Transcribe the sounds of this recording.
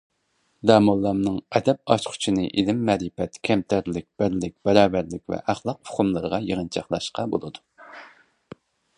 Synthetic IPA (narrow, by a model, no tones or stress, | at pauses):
d̪ɑːmɑlˠːɑmnɨŋɛd̪ɛp̚ɑʃqʰʊ̥t͡ʃʰinɨʔilɪmːɛɾɨpɛt̪kʲʰɛmt̪ʰæɾlɪk̚ʲb̥æɾlɪkʲb̥ɛɾɑːbæɾlɪkʲvɛ̰ʔæχlˠɑqʰʊχʊmlˠɨɾəʁɑjəʁənt͡ʃʰɑχlˠɑ̰ʃqɑbo̰lˠɨd̪u